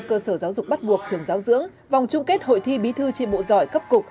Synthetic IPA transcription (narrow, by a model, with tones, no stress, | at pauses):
kəː˧səː˧˩zaː˨˦wzʊ˨˩k͡p̚ɓa˦˥t̚ɓu˨˩ək̚t͡ɕɨ˨˩əŋzaː˨˦wzɨ̰˧˥əŋ | va˨˩wŋ͡mt͡ɕʊ˧ŋ͡mke˦˥t̚ɦo̰˧˨jt̪ʰi˧ɓi˨˦t̪ʰɨ˧t͡ɕḭ˧˨ɓo̰˧˨zɔ˧˩jkə˦˥p̚kʊ˨˩k̚